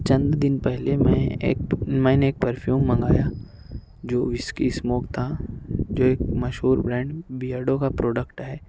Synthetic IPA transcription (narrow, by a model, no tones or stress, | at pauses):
t͡ʃɐ̃nd̪d̪ɪnpɛɦlemɛ̃ː | mɛ̃ːneːk̚pəɾpʰjuːmːɐ̃ŋɡaːja | d͡ʒoːʋɪskismoːk̚t̪ʰad͡ʒoːeːk̚mɐʃɦuːɾbɾɛ̃ːɳɖbijaːɖõkapɾoːɖəkʈɦɛː